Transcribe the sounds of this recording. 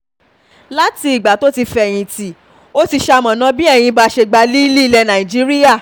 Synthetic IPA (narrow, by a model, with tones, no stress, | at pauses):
la˦ti˧i˨ɡ͡ba˨to˦ti˧fɛ˧˨j̃ĩ˧ti˨ | o˦ti˧ʃa˧mã˨nã˧˦bĩ˦ɛ˦˨j̃ĩ˧ba˧˦ʃe˧ɡ͡ba˧li˦i˦li˦i˦˨lɛ˧nã˨i˨d͡ʒi˦ɾi˦ja˦˨